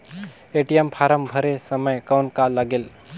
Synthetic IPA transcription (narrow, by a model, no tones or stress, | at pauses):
eʈijempʰaɾəmbʱəɾesəməjkawnkaləɡel